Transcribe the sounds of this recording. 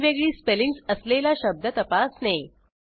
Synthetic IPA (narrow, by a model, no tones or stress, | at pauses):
ʋeɡɭiːspeliŋɡsəslelaɕəb̚d̪ʱət̪əpasne